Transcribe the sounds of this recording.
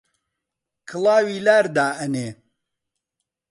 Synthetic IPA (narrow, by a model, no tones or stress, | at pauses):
kʰɨlˠɑːwiːlaːɾd̪aːɐneː